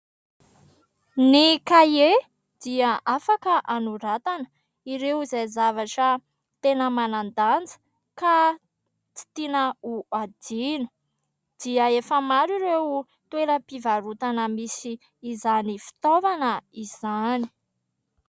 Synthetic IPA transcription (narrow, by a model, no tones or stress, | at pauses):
nikaje | d̪̥iəʔafakəʔanuɾat̪anə̥ | iɾewizajzavaʈ͡ʂə | t̪enəmanand̪and͡zə̥ | ka | t͡si̥t̪inəuad̪inu̥ | d̪̥iəefəmaɾiɾew | t̪weɾəpivaɾut̪anəmisiː | zanifi̥t̪ovanəiz̥ani̥